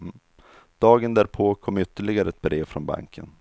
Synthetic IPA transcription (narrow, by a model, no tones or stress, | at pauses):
d̪̥ɑːɡənd̪æːɾpʰoːkʰɔmːʏt̪ːəɭɪɡaɾəɛt̪̚bɾeːvfɾɔnba̰ŋkʰə̰n